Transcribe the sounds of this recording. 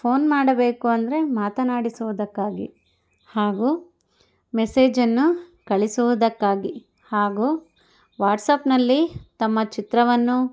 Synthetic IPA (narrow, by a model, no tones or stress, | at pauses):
pʰo̞ːnmaːɽɐbeːkuɐnd̪ɐɾe̞maːt̪ɐnaːɽisuʋud̪ɐkːaːɡḭ | haːɡu | mese̞ːd͡ʒɐnːukɐɭisuʋud̪ɐkːaːɡi | haːɡuː | ʋaːʈsɐpnɐlːit̪ɐmːɐt͡ʃit̪ɾɐʋɐnːu